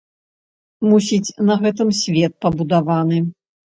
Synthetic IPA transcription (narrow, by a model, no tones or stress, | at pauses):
musʲit͡sʲnɐɣɛt̪ɨmsʲvʲɛt̪̚pɐbud̪avanɨ